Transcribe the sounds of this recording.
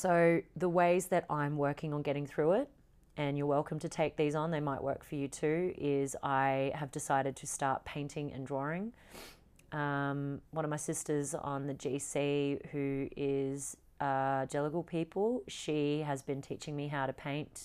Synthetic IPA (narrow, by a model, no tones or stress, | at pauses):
soʊðəweɪzðɨɾʔãɪ̃mwɜ˞kɪ̃ŋə̃nɡɛɾɪ̃ŋθɹʉɪt̚ | ʔɨ̃njə˞wɛlˠkʰmtʰɨtʰeɪk̚ðizn̩ðeɪmaɪʔwɜ̰˞kfə˞jɨtʰʉɪzaɪɨvdɨsaɪɾɨd̚tʰɨstɑɹt̚pʰẽɪ̃ntʰɪ̃ŋɨ̰̃ndɹɔɹɪ̃ŋ | ʔʌ̃mwʌ̃nʌvmaɪsɪstə˞zn̩ðɨd͡ʒisihʉɪz̥ | ʌd͡ʒɛlˠəkl̩ˠpʰipʰəl̩ˠʃiɨzbɨ̃ntʰit͡ʃɪ̃ŋmiɦaʊɾɨpʰẽɪ̃nt